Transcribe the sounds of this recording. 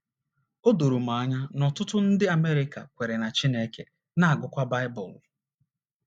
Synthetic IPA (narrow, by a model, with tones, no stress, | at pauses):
o˦do˨ɾu˨ma˨a˦ɲa˦nɔ˨tʊ˦tʊ˦n̩˦dɪ˦a˨me˦ɾɪ˦ka̰˨kʷe˨ɾe˨na˨t͡ʃi˦ne˦ke˨ | na˦a˨ɡʊ˨kʷa˦ba˦ɪ˦bɔ̰˨l